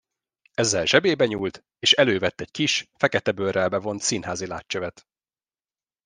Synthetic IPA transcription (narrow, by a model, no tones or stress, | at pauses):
ɛzːɛlʒɛbeːbɛɲuːlt̪ | eːʃɛløːvɛt̪ːɛckiʃfɛkɛt̪ɛbørɛlbɛvo̞nt̪sinhaːzila̰ːtːøvɛt̪